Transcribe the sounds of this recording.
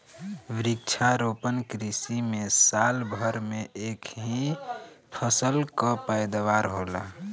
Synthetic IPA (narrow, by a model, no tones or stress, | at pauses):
ʋɾɪk̚t͡ʃʰaɾopənkɾisimesalbʱəɾmeʔekɦĩ | pʰəsəlkəpəjd̪waɾɦola̰